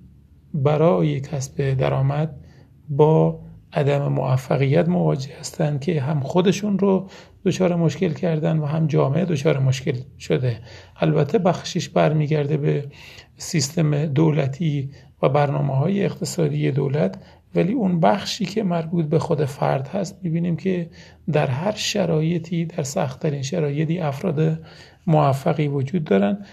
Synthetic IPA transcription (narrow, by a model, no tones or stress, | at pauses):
bæɾɒːjecʰæsbe̞d̪æ̰ɾɒːmæd̪̚ | bɒːʔæd̪æme̞moæfːæɣijːæt̪mo̞vɒːd͡ʒehæst̪ænd̪̥̚kʲʰe̞ɦæmxod̪e̞ʃunɾod̪̥ot͡ʃʰɒːɾemoʃke̞lcʰæɾd̪ænd̪væɦæmd͡ʒɒːmeʔed̪ot͡ʃʰɒːɾemoʃke̞lʃod̪eʔælbæt̪ʰːebæxʃiʃbæɾmiːɟæɾd̪ebe | sist̪e̞med̪olæt̪ʰiː | væbæɾnɒːmeɦɒːjeːqt̪ʰe̞sɒːd̪iːje̞d̪o̰ːlæt̪ʰ | væliːunbæxʃiːkʰe̞mæɾbuːt̪̚ʰbe̞xod̪efæ̰ɾd̪hæst̪mibiːniːmcʰe̞ | d̪æɾɦæɾʃæɾɒːje̞t̪ʰiːd̪æɾsæ̰xt̪ʰːæɾiːnʃæɾɒːje̞t̪ʰiːæfɾɒːd̪e | moæfːæɣiːvod͡ʒuːd̪ːɒːɾænd̪